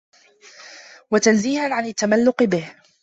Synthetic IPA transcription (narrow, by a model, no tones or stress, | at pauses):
wat̪anziːhanʕanat̪ːamalːʊqɨbɪh